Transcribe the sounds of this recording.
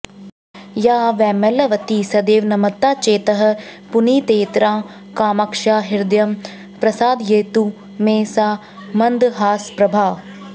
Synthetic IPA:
jaːʋɛːmɐlɐʋɐt̪isɐd̪eːʋnɐmɐt̪ːaːt͡ʃeːt̪ɐɦɐ̆pʊniːt̪eːt̪ɾãː | kaːmɐkʃaːɦɪɾd̪jɐm | pɾɐsaːd̪jeːt̪u | meːsaː | mɐnd̪ɦaːspɾɐbʱaːʋ

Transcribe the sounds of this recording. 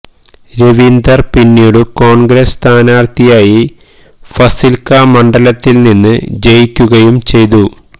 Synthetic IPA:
ɾeʋind̪ɐrpinːijuɽuko̞ːɳɡɾest̪ʰaːnaːrt̪ijaːji | fɐsilkamɐɳɖɐlɐt̪ːilninːɨ̰d͡ʑejikʲːuɣɐjumt͡ɕe̞jt̪̬u

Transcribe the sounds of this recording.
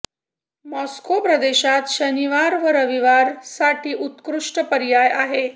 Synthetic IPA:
mɔskopɾəd̪eɕat̪ɕəniʋaɾʋəɾəʋiʋaɾsaʈʰiːʔut̪kɾuʂʈəpəɾjajaɦe

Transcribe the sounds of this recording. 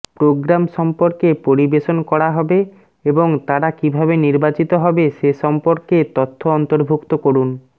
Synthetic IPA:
pɾoɡɾamʃɔmpoɾkepoɾibeʃonkɔɾaɦɔbe | eboŋt̪aɾakibʱabeniɾbat͡ɕit̪oɦɔbeʃeʃɔmpoɾket̪ot̪ʰːoɔnt̪oɾbʱukt̪okoɾun

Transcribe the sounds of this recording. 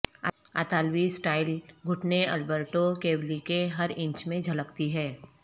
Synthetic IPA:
a̰ːt̪aːlwisʈaːɪlɡʱʊʈneɐlbəɾʈokeːblikeɦɐɾɪ̃ɲt͡ʃmẽd͡ʒʱɐləkt̪iɦɛː

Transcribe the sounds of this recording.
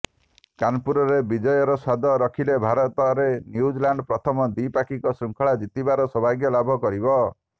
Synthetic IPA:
kanpuɾɔɾebid͡ʒɔjɔɾɔsad̪ʱɔɾɔkʰilebʱaɾɔt̪ɔɾenjud͡ʒlaɳɖpɾɔt̪ʰɔmɔd̪ipakikɔsɾuŋkʰɔɭad͡ʒit̪ibaɾɔsɔbʱaɡjɔlabʱɔkɔɾibɔ

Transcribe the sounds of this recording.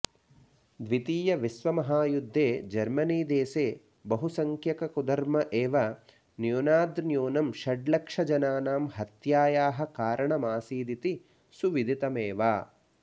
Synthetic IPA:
d̪ʋit̪iːjɐʋisʋɐmɐɦaːjud̪ʱːeːd͡ʒɐɾmɐniːd̪eːseː | bɐɦusɐŋkjɐkɐkud̪ɐɾmɐʔeːʋɐ | njuːnaːd̪njoːnɐmʃɐɖlɐkʂɐd͡ʒɐnaːnaːmɦɐt̪jaːjaːɦɐ̆kaːɾɐɳɐmaːsiːd̪it̪i | suʋid̪ʱit̪ɐmeːʋaː

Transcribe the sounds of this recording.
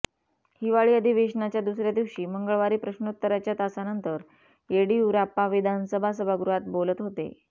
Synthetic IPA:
hiʋaɭiːəd̪ʱiʋeɕnat͡ɕjad̪usɾjad̪iʋɕiːməŋɡəɭʋaɾiːpɾəɕɳot̪ːəɾat͡ɕjat̪asanənt̪əɾ | eɽiuɾapaʋid̪ʱansəbʱas̬əbʱaɡɾuɦat̪̚bolət̪ɦot̪ḛ

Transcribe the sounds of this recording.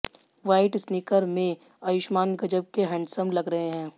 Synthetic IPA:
ʋaːɪʈsnɪkəɾmẽ | ɐjʊʃmaːnɡɐd͡ʒəb̚keɦɛ̃ːɳɖsəmlɐɡɾɐɦeɦɛ̃ː

